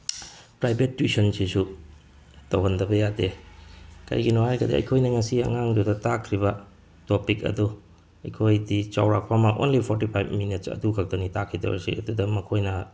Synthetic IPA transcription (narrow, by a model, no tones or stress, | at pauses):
pɾajbetːwisɐnsʰisu | tɐwɦɐndɐbɐjade | kɐ̰jɡinohajɡɐdḭɐ̰jkʰojnɐŋɐsiɐ̰ŋaŋdudɐtakʰɾibɐ | topikɐ̰du | ɐjkʰojdit͡ʃa̰wɾak̚pʰamɐʔo̰nlipʰoɾtipʰajbminitsɐ̰dukʰak̚dɐnitakʰːidɐ̰w̰sḭɐ̰dudɐmɐkʰojnɐ